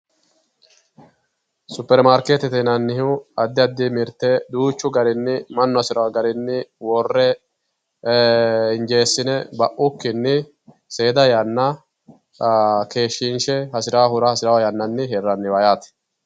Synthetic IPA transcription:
sʊpːɛɾmaːɾkeːt̪ɛt̪ɛnɐnːɪɦɪɐd̪ːɪɐd̪ːɪmɪɾt̪ːɛd̪uːt͡ʃːʊɡɐɾɪnːɪmɐnːʊɐsɪɾɔwaɡɐɾɪnːɪwɔrːɛ | ɪnd͡ʒe̞ːsːɪnɛbɐʔʊkːɪnːɪ | seːd̪ɐjɐnːɐ | ke̞ːʃːɪnʃɛhɐsɪɾaːhʊɾɐhɐsɪɾɐwɐjɐnːɐnːɪɦerːɐnːɪwɐjaːt̪ɛ̥

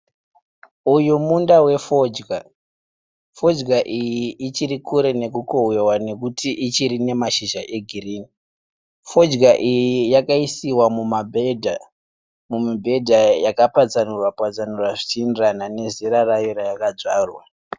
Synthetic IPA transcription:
ujumundawe̞fo̞ːd͡ʒɡa | fo̞d͡ʒɡaʔijiʔit͡ʃiɾikuɾe̞ne̞kuko̞wewane̞kutʰiʔit͡ʃiɾine̞maʃiʒaʔe̞ɡʱiriːni | fo̞d͡ʒɡaʔijijakaisiwamumabʱedʱa | mumibʱe̞dʱajakapad͡zanurwapwad͡zanurwaʐit͡ʃindiranane̞ziɾarajoɾajakad͡zaːrwa

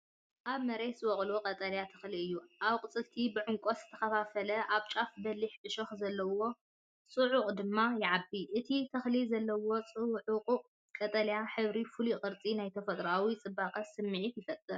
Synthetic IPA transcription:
ʔaβmɐɾeswɔχʼluqʼɐt̪ʼɐljat̪ʰɐ̥xliɨjːuʔaβqʼɨt͡sʼɨlt̪ʰibɨʕʊŋkʼoszɨ̥t̪ʰɐ̥xɐfafɐlɐʔaβt͡ʃʼafbɐliħʕɨʃoxzɐlːɐwo̞ | t͡sʼɨʕʊqʼd̪ɨmːajɪʕabːiʔɨt̪ʰit̪ʰɐxlizɐlːɐwo̞t͡sʼɨʕuqʼ | kʼɐt̪ʼɐljaħɨβɾifulikʼɨɾt͡sʼinajt̪ʰɐfɐt̪ʼɾawit͡sʼɨbaqʼɐsɨmːɨʕit̪jɪfɐt̪ʼːɨɾ

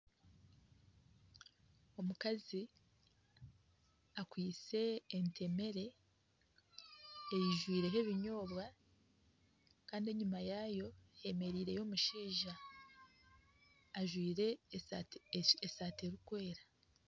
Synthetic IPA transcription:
o̞mukazi | akwiːt͡se̞ːntʰe̞me̞ɾe̞ | ejiʒwiːɾe̞ɦe̞βiɲo̞ːβwa | kaːndie̞ɲumajaːjo̞je̞me̞ɾiːɾe̞jo̞ːmuʃiːʒa | ʒwiːɾe̞ | esaːteɾukwe̞ːɾḁ

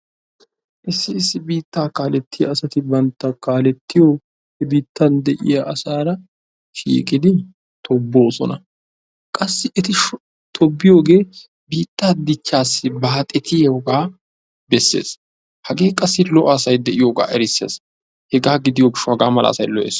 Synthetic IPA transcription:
ʔɪsːɪːsːɪbiːt̪ːaːkaːlɛt̪ːɪjɐ̰ːsɐt̪ɪbɐnt̪ːɐkaːlɛt̪ːɪjo | hɛbiːt̪ːɐnd̪ɛʔɪ̰jɐʔɐsaːɾɐ | ʃḭːkʼɪd̪ɪ | t̪ʰɔbːo̞ːsɔ̰nɐ | kʼɐsːɪʔɛt̪ɪʃ | t̪ʰɔbːɪjo̞ːɡe̞ː | biːt̪ːaːd̪ɪt͡ʃːaːsːɪbaːt̪ʼɛt̪ɪjeʊɡaː | bɛsːḛːs | hɐɡe̞ːkʼɐsːɪlɔʔaːsɐjd̪ɛʔɪjoːɡa̰ːʔɛɾɪsːeːs | hɛɡaːɡɪd̪ɪjoɡɪʃːʊhɐɡaːmɐlɐ̰ːsɐjlɔʔḛːs

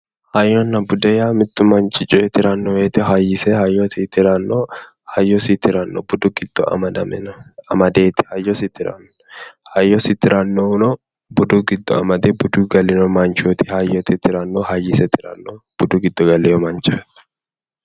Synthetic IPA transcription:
hɐjːɔnːɐbʊd̪ɛjaːmɪt̪ːʊmɐnt͡ʃʼɪt͡ʃʼɔɛt̪ɪɾɐnːɔweːt̪ɪɦɐjːɪsɛhɐjːɔtit̪ɪɾanːo | hɐjːɔsit̪ɪɾɐnːɔbʊd̪uɡɪd̪̥ːɔ̰ɐ̰mɐd̪ɐmɛnɐmɐd̪eːt̪ɪ̥hɐjɔsɪt̪ɪɾɐ̰nːɔhɐjːɔsɪt̪ɪɾʔɐnːonɔ | bʊd̪uːɡɪd̪ːɔ̰ɐmɐd̪ebʊd̪uːɡɐlɪnɔmɐnt͡ʃot̪ʰɪ̥hɐjːɔt̪ɪt̪ɪɾɐnːohɐjɪsɛt̪ɪ̥ɾɐ̰nːob̥ʊd̪uɡɪd̪ːɔɡɐlɛjɔmɐnt͡ʃʼɔt̪

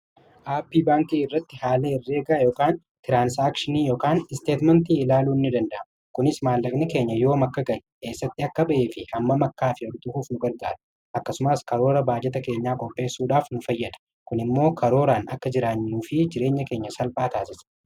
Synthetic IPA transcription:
ʔaːpːiːbaːŋkiːɪrːɐt̪ːɪhaːleːɪrːe̞ːɡɐjoːkaːn | t̪ɪɾaːnsaːkʃɪniːjoːkaːnɪst̪e̞ːt̪mɐnt̪iːɪlaːluːnːɪd̪ɐnd̪ɐʔɐm | kʊnɪsmaːlːɐkʼnɪke̞ːɲːɐjo̞ːmɐkːɐɡɐʔɛke̞ːsːɐt̪ːɪɐkːɐbɐʔeːfɪhɐmːɐmɐkːaːfɪɔɾt̪ʊhuːfnʊɡɐɾɡa̰ːɾɐ̥ | ʔɐkːɐsʊmɐskɐɾo̞ːɾɐbaːd͡ʒɛt̪ɐke̞ːɲːaːkʼɔpʼːe̞ːsːuːᶑaːfnʊfɐjːɐd̪ɐ̥ | kʊnɪmːo̞ːkɐɾo̞ːɾaːnɐkːɐd͡ʒɪɾaːɲːuːfɪd͡ʒɪɾe̞ːɲːɐke̞ːɲːɐsɐlpʼaːt̪aːsɪs

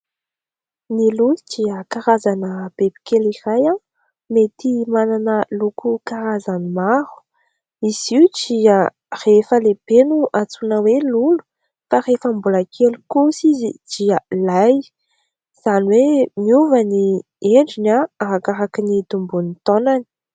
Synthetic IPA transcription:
nilud̥iəkaɾazanəb̥ebi̥keliraja | met̪imananəlukʰukaɾazanimaɾu̥ | iz̥iudia | refəlebenuʔat͡sunəwelulu̥ | farefəmbulakʰelukusizid̥ialaj | z̥aniwemiuvani | eɳɖ͡ʐinaaɦakaɾakinit̪umbunit̪onani̥

